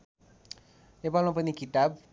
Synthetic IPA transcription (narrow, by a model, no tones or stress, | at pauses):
epalmapʌnikit̪ab̚